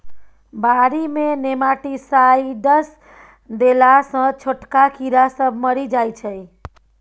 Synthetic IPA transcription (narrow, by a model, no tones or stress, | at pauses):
baɾimenemaʈisaiɖəs | d̪elasə̃t͡ʃʰoʈkakʰiɾasəbʱməɾid͡ʒajt͡ʃʰə